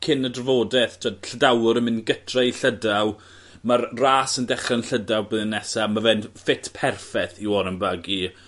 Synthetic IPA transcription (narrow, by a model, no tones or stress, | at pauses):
kʰɪnədrəvoːdɛθtʰodɬədawʊɾəmɪnɡətʰrɛiɬədaw | marraːsəndɛχanɬədawbðənːɛsamavɛnfɪtʰpʰɛrfɛθiwɔɾənbaɡi